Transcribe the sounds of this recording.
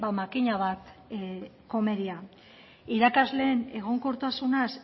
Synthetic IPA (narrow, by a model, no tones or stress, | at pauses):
bamakiɲaβat̪ | ko̞me̞ɾia | iɾakazle̞ːne̞ɣ̞o̞ŋko̞ɾt̪asunas